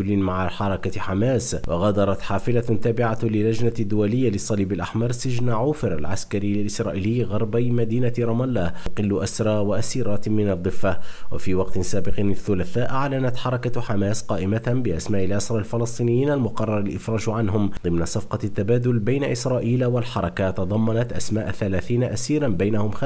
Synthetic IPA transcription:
lɪmaʕaħɑɾˤɑkaħamaːswɑɣad̪ɑɾˤɑt̪ħaːfɪlat̪aːbɪʕalɪlːad͡ʒnad̪ːʊwalɪjːalɨsˤːɑliːbalʔaħmɑɾˤsɪd͡ʒnaʕuːfɪɾalʕa̰skaɾɪjalʔɪsɾˤɑːʔiːlɪːɣɑɾˤbajmad̪iːnaɾˤɑmalːaqɨlːʊʔasɾˤɑːwaʔasiːɾˤɑːt̪mɪnɑd̪ˤːɨfːawafiːwɑqt̪ɪsaːbɪqnaθːʊlaθaːʔaʕlanat̪ħɑɾˤɑkaħamaːsqɑːʔɪmabɪʔasmaːʔɪlʔasɾˤɑːlfɪlɑsˤt̪ˤiːnɪjːiːnalmʊqɑrˤːɑɾˤalʔɪfɾˤɑːʒʕanɦʊmd̪ˤɨmnasˤɑfqɑt̪ːabaːd̪ʊlbajnaʔɪsɾˤɑːʔiːlwalħɑɾˤɑkat̪ɑd̪ˤɑmːɑnat̪ʔasmaːʔaθalaːθiːnaʔasiːɾanbajnahʊmxa

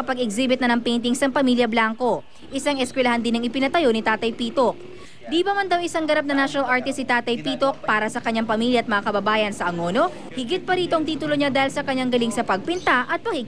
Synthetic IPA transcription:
ɐpɐɡɪɡziːbɪt̪nɐnɐŋpɛjnt̪̬ɪŋsɐŋpɐmiljɐblaŋko̞ | ʔɪsaŋʔɛskwɛlɐhand̪ɪnɐŋɪpɪnɐt̪ɐjo̞nɪt̪aːt̪ɐjpiːt̪ok̚ | d̪iːbɐmɐnd̪ɐwʔɪsaŋɡɐɾap̚nɐŋnaʃonɐlʔaɹt̪ɪst̪ːɪt̪aːt̪ɐjpiːt̪o̞k̚paːɾɐsɐkɐɲːaŋpɐmiljɐʔːt̪mɐŋakɐbɐbaːjɐnsɐʔɐŋo̞no̞ | hɪɡɪt̪̚pɐɾiːt̪o̞ʔɐŋt̪iːt̪ʊloɲad̪aːhɪlsɐkɐɲːaŋɡɐlɪŋsɐpɐɡ̚pɪnt̪aʔɐt̪̚pɐɡɪ

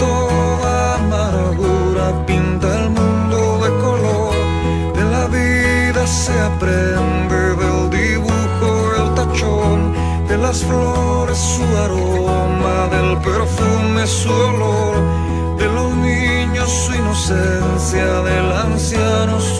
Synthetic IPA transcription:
t̪o | ða | maɾaðu | ɾapint̪aelmũnd̪o̞ðe̞ko̞lo̞ɾ | ðe̞laβi | ðase̞apɾe̞nd̪e̞ðe̞ld̪iβuxo | elt̪at͡ʃ | on | d̪e̞lasflo | ɾe̞sːuaɾo | maðe̞lpe̞ɾfume̞suðoloɾ | ðe̞lo̞zni | ɲosːuino̞sensjaðe̞lansjano̞

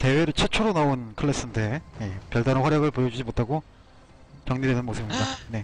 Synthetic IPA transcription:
te̞we̞ɾɯɭt͡ɕʰet͡ɕʰoɾonaonkʰɯɭːes͈ɯnde̞je̞pjʌɭdaɾɯnɸwaɾjʌɡɯɭpojʌd͡ʑud͡ʑimot̚tʰaɡo | t͡ɕʌŋɲiɾenɯnmosʰɯbimɲidane̞

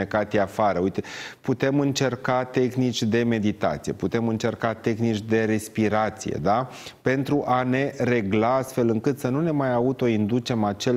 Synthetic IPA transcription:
ekat̪iafaɾəujt̪eput̪e̞mɨnt͡ʃe̞rkat̪e̞xnit͡ʃʲd̪e̞me̞d̪it̪a̰t̪sije̞̰put̪e̞mɨnt͡ʃe̞rkat̪e̞xnit͡ʃʲd̪e̞ɾe̞spiɾat̪sije̞̰d̪a | pe̞nt̪ɾuʔane̞ɾe̞ɡlaast̪fe̞lɨŋkɨt̪sənune̞majaut̪o̞ind̪ut͡ʃe̞mat͡ʃe̞l

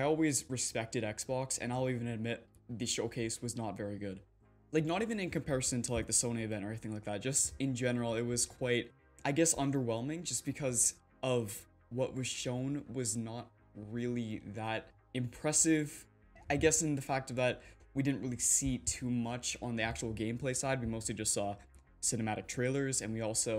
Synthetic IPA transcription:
aɪɔlˠwizɹɨspɛk̚tɨɾɛksb̥ɑksɨ̰̃ñaɪl̩ˠivɨ̃nɨd̚mɪt̪̚ðɨʃoʊkʰeɪswʌznətvɛɹiɡʊd̥ | laɪk̚nəɾivɨ̃nɨ̃nkɨ̃mpʰɛɹɨsɨ̃ntʰəlaɪk̚ðɨsõʊ̃ñiɨvɛ̃ntɛɹiθɪ̃ŋlaɪk̚ðæt̚d̥ʒ̥ʌstɨ̃nd͡ʒɛnə˞l̩ˠɪt̚wʌz̥kʰw̥aɪt̚ | ʔaɪɡɛsʌ̃ndə˞wɛlˠmɪ̃ŋd͡ʒʌsb̥ɨkʰʌz | ʔʌv | wʌʔwʔʌz̥ʃõʊ̃nwʌznət̚ | ɹɪlˠiðəɾ | ɨ̃mpʰɹ̥ɛsɪv | aɪɡɛsɨ̃nðɨfæk̚tʌvðət̚widɪdⁿn̩ʔɹɪlˠisitʰʉmʌt͡ʃn̩ðiæk̚t͡ʃul̩ˠɡẽɪ̃mpʰl̥eɪsaɪd̚wimoʊstˡlid͡ʒʌstsɔ | sɪnɨmæɾɨk̚tʰɹ̥eɪlˠə˞zɨ̃nwiɔlˠsoʊ

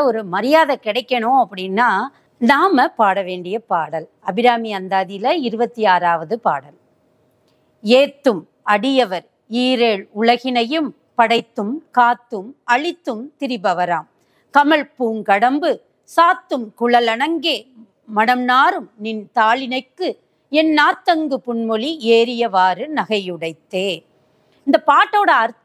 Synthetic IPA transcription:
ɔɾɯmɐɾɪjaːðɐkɪɽɐɪkːɐɳõːɐpːɐɽɪnːaː | naːmɐpaːɽɐʋeːɳɖɪjɐpaːɽɐlɐbɪɾaːmiɐnd̪aːðɪjlɐɪɾɯbɐt̪ːiaːɾaːʋɐðɯpa̰ːɽɐl | eːt̪ːɯm | ɐɽɪjɐʋɐɾ | iːɾeːɭʊɭɐɣɪnɐjɯm | pɐɽɐɪt̪ːɯmkaːt̪ːɯmɐɭɪt̪ːɯmt̪ɪɾɪbɐʋɐɾaːm | kɐmɐɭpuːŋkɐɽɐmbɯ | saːt̪ːɯmkʊɭɐlɐɳɐŋɡeː | mɐnɐmnaːɾɯmnɪnt̪aːɭɪnɐɪkːɯ | ɛnːaːt̪ːɐŋɡɯpʊɳmɔɭieːɾɪjɐʋaːɾɯnɐɣɐjɯɽɐɪt̪ːeː | ɪnd̪ɐpaːʈːoːɽɐɐɾ

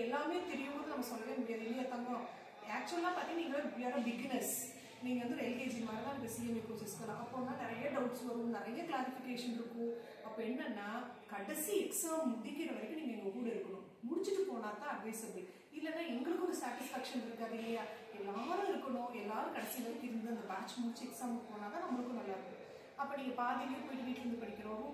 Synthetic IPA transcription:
ɛlːaːmẽːt̪ɛɾɪjɯmboːðɯnɐmːɐsɔlːɐʋeːmʊɽɪjaːðɯɛnːɐlːɐt̪ːɐːŋɡõ | aːk̚t͡ʃuɐlːãːpaːɾt̪iŋɡɐniːŋɡɐɭɐjaːɾɐ̃ʋɪɡnɛs | niːŋɡɐʋɐnd̪ɯɛlkeːd͡ʒimaːɾɐt̪ãːɪɡɐsiːɐmikoːsɐsɯ̥kːɐlãːʔɐpːoːnːãːnɪɾɐjɐɖɐʊʈsʋɐɾ̃nɪɾɐjɐklaːɾɪfɪkeːʂɐnɪɾɯkːʊ̃ | ɐpːoːɛnːɐnːaːkɐɽɐsiɛksaːmmʊðɪkːɪɾɐʋɐɾɪkːɯniːŋɡɐɛŋɡɐkuːɽɐɪɾɯkːɐɳʊ̃ | mʊɽɪt͡ʃːɯʈːɯpoːɳaːt̪ãːɐɖʋɐɪsɐbl | ɪlːɐnːaːɛŋɡɐɭɯkːɯɔɾɯsaːʈɪsfaːkʂɐnɪɾɯkːaːðɪlːɐjaː | ɛlːaːɐɾʊ̃ɪɾɯkːɐɳʊ̃ɛlːaːɾɯ̃kɐɽɐsːɪnɐɾɯkɪɾɯnd̪ɐd̪ɯɐnd̪ɐbaːt͡ʃmʊɽɪt͡ʃːiɛksaːmkpoːnaːt̪ãːnɐːmːɐɭɯkːɯnɐlːaːɾɯkːɐɽʊ̃ | ɐpːoːnĩːŋɡɐpaːðɪɣɐjɐpoːjɪʈːɯʋɪʈːɯɾɐnd̪ɯpɐɳɪkʲːɪɾõː

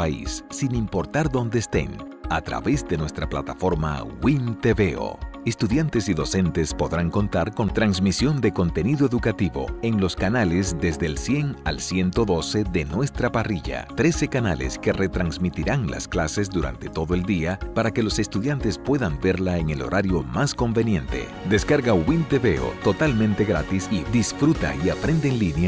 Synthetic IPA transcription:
aḭsːinimpo̞ɾt̪aɾðo̞nd̪e̞ːst̪ḛnat̪ɾa̰βe̞zd̪e̞nwe̞st̪ɾaplat̪afo̞ɾma̰wint̪eβeo̰e̞st̪uðjant̪e̞siðo̞se̞nt̪e̞spo̞ðɾaŋko̞nt̪aɾko̞nt̪ɾansmisjo̞nd̪e̞ko̞nt̪e̞niðoeðukat̪iβo̞̰e̞ŋlo̞skanale̞zðe̞zðelsje̞ŋa̰lsje̞nt̪o̞ðo̞se̞ðe̞nwe̞st̪ɾapariʝa̰t̪ɾe̞se̞kana̰lḛske̞re̞t̪ɾanzmit̪iɾaŋla̰sklase̞zd̪uɾa̰nt̪e̞̥t̪o̞ðo̞e̞ld̪iapaɾake̞lo̞se̞st̪uðjant̪e̞spwe̞ðambe̞ɾlaeŋe̞lo̞̰ɾʔaɾjo̞masko̞mbe̞nje̞nt̪e̞̰ | d̪e̞skaɾɣawint̪e̞βe̞o̰t̪o̞t̪almẽ̞nt̪e̞ɣɾa̰t̪isid̪isfɾut̪a̰iapɾe̞nd̪eːŋlinja

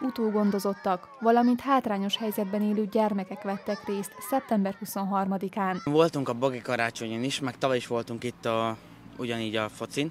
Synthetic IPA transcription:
ut̪oːɡo̞nd̪o̞zo̞t̪ːɒk | ʋɒlɒmint̪haːt̪raːɲo̞ʃhɛjzɛd̪̚bɛneːløːɟɛrmɛkɛkʋɛt̪ːɛkreːst̪sɛp̚t̪ɛmbɛrhuso̞nɦɒrmɒd̪ikaːnvo̞lt̪uŋkɒboɡikɒɾaːt͡ʃo̞ɲoniʃmɛkt̪ɒvɒjiʃʋo̞lt̪uŋkit̪ːɒ | uɟɒniːɟɒfo̞t̪sin

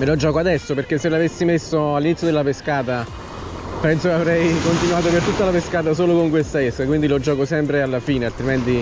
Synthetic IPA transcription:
melɔd͡ʒːɔːkoad̪ɛsːoperkesːelːavesːimesːoalːinit̪ːjod̪elapeskaːt̪a | pɛnsokeavɾɛjkont̪inuaːt̪̬opert̪ut̪ːalapeskaːt̪̬as̬oːlokoŋk̬west̪aɛskakwind̪ilod͡ʒːɔːkosɛmpɾealːafiːnealt̪ɾimɛnt̪i

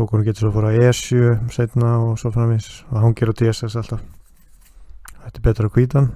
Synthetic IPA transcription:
ɔkɔnuncɛːt̪ɪ̥sɔfaɾaɛːsjʏseːjt̪naɔsɔfɾamɪsɔhuncɛːɾʏat̪ʰɪɛsɛsal̥t̪av | ɛht̪ɪ̥ɾpɛːt̪ɾakʰviːt̪an

